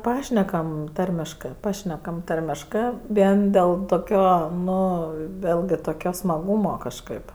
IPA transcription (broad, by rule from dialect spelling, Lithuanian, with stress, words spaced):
ˈpɑːʃʲnʲɛkɐm ˈtɐrʲmʲɪʃkɜ ˈpɑːʃʲnʲɛkɐm ˈtɐrʲmʲɪʃkɜ ˈʋʲiɛn ˈdʲeːlˠ toːˈkʲoː ˈnʊ ˈʋʲeːlʲɡʲɪ toːˈkʲoː smɐˈɡuːmoː kɐʃˈkɜp